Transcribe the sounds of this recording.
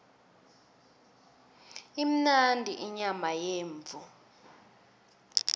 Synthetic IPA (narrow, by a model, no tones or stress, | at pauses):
im̩nandʱiʔiɲamajeːɱvu